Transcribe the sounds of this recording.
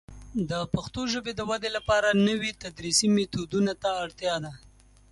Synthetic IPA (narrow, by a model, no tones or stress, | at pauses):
d̪əpaxt̪oʒəbed̪əwad̪elapɑɾanəwit̪ad̪ɾisimet̪od̪unat̪aːɽt̪jɑd̪a